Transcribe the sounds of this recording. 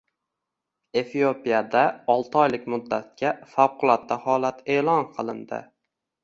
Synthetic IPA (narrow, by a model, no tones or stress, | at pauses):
e̞fiopijad̪aɒlˠt̪ʰɒjlɪkʲmʊd̪ːat̪̚kʲafawqʰʊlˠɒt̪ːahɒlat̪ʰe̞ːlˠɒnqʰɨlˠɪnd̪ɪ̰